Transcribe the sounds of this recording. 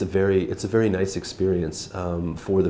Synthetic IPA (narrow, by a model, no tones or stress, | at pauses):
ɨvɛɹiʔɨtsɨvɛɹinaɪsɨkspɪɹiɨ̃nsfə˞ðɨ